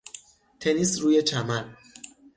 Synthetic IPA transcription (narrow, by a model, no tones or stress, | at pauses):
t̪ʰe̞nisɾuːje̞t͡ʃʰæmæl